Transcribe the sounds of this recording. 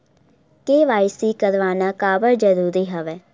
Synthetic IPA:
keːʋaːɪsiːkəɾʋaːnaːkaːbəɾd͡ʒəɾuːɾiːɦəʋɛː

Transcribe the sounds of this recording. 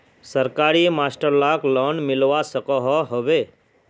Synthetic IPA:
səɾkaːɾimaːsʈəɾlaːklɔnmɪlʋasəkɔɦɔɦɔʋe

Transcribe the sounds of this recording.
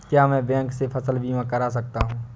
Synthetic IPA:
kjaːmɛ̃ːbɛ̃ːŋksepʰɐsəlbʱimãkəɾasɐk̚t̪aɦũː

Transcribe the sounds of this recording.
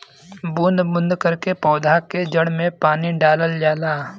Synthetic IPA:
buːnd̪bʊ̃nd̪kəɾkepɔːd̪ʱaked͡ʒəɽmẽpaːniɖaːləld͡ʒaːlaː

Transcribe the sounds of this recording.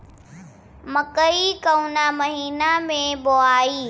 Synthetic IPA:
mɐkəikɐunamɐɦiːnamẽboaːiː

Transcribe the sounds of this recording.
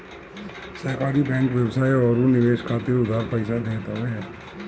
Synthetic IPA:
sɛːkaːɾibɛ̃ːŋkʋjəwsaːeɔɾũnɪʋeːʃkʰaːt̪eʊd̪ʱaːɾpəɪsad̪eːt̪aɦɛː

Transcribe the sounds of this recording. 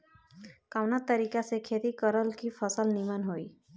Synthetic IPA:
kaʋnat̪ːəɾiːkasekʰeːt̪ikəɾəlkipʰəsəlnimənɦoiː

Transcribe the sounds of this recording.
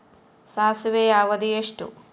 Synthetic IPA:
saːsiʋeːaːʋɐd̪ijeʂʈṵ

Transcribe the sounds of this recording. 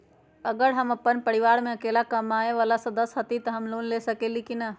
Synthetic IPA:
əɡəɾɦəməpːənpəɽiʋaːɾmẽəkeːlakəmaːeʋaːlasəd̪əsɦət̪it̪əɦəmloːnlesəkelikinə

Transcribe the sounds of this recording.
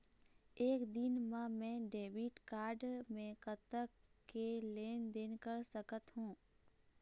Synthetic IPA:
eːkd̪ɪnmãmɛ̃ːɖeːbiʈkaːɾɖmẽkət̪əkkeleːnd̪eːnkəɾsəkət̪ɦũː

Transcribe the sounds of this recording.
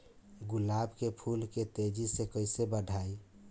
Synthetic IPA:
ɡulabkepʰulket̪ed͡ʒisekəɪsebəɖʱai

